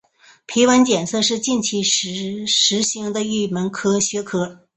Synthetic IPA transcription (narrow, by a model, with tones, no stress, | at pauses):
pʰi˧˥wa˧˥nt͡ɕjɛ˨˩nsɤ˥˧ʂɻ̩˥˧t͡ɕi˥˧nt͡ɕʰi˥˩˧ | ʂɻ̩˧˥ɕi˧˥ŋd̪ə˧i˥˩mə˧˥nkʰɤ˥ɕɥɛ˧˥kʰɤ˥